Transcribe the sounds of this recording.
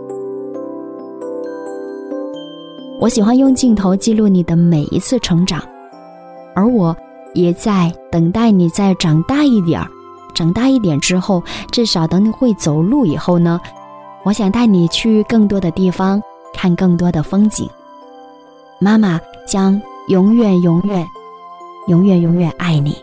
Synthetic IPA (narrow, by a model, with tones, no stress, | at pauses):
wʔɔ˧˥ɕi˨˩xwa˥njʊ˥˧ŋt͡ɕi˥˩ŋt̪ʰo˧˥ʊt͡ɕi˥˧lu˥˩ni˨˩d̪ə˦me˨˩ɪʔḭ˥t͡sʰɹ̩˥˩ʈ͡ʂʰɤ˧˥ŋʈ͡ʂɑ˨˩˦ŋ | ə˞˧˥wɔ˨˩˦ | jɛ˨˩t͡sa˥˩ɪt̪ɤ˨˩ŋt̪a˥˩ɪni˨˩t͡sa˥˩ɪʈ͡ʂɑ˨˩ŋt̪a˥˧i˥˩t̪jɛ̰˨˩˦ | ʈ͡ʂɑ˨˩ŋt̪a˥˧i˥˩t̪jɛ˨˩nʈ͡ʂɻ̩˥xo˥˩ʊʈ͡ʂɻ̩˥˩ʂɑ˨˩ʊt̪ə˧˥ŋni˨˩xwe˥˩ɪt͡so˨˩ʊlu˥˩i˨˩xo˥˩ʊnə˩ | wɔ˧˥ɕjɑ˨˩ŋt̪a˥˩ɪni˨˩t͡ɕʰy˥˧kɤ˥˩ŋt̪wɔ˥d̪ə˨t̪i˥˩fɑ˥ŋ | kʰa˥˧nkɤ˥˩ŋt̪̬wɔ˥d̪ə˨fɤ˥ŋt͡ɕḭ˨˩˦ŋ | ma˥ma˨t͡ɕjɑ˥ŋjʊ˧˥ŋɥɛ˨˩njʊ˧˥ŋɥɛ˨˩˦n | jʊ˧˥ŋɥɛ˨˩njʊ˧˥ŋɥɛ˨˩nʔa˥˩ɪnḭ˨˩˦